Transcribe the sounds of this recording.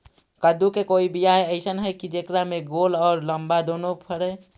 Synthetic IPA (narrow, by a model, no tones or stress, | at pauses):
kəd̪ukekoibijajəɪsənɦəkid͡ʒekɾameɡolɔːɾləmbad̪onopʰəɾɛ